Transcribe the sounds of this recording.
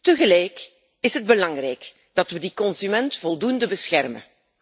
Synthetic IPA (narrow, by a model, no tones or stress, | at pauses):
təɣəlɛjk | ɪsɦəd̚bəlɑŋrɛjk | d̥ɑtʋədikɔnzymɛntfɔlˠdundəbəsxɛrmə̰n